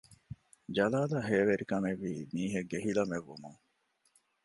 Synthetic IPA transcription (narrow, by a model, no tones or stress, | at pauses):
d͡ʒɐlaːlaːɦeːʋeɾikɐmeʋːiːmiːɦeɡeɦilɐmeʋːumuŋ